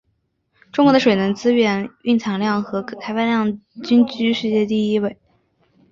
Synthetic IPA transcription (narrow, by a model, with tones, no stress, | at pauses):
ʈ͡ʂʊ˥ŋkwɔ˧˥d̪ə˧ʂwe˨˩ɪnə˧˥ŋt͡sɹ̩˥ɥɛ˥˩ny˥˩nt͡sʰɑ˧˥ŋljɑ˥˩ŋxɤ˧˥kkʰa˥ɪwa˥˧ljɑ˥˩ŋt͡ɕy˥nt͡ɕy˥ʂɻ̩˥˧t͡ɕjɛ˥˧t̪i˥˧i˥we˥˩ɪ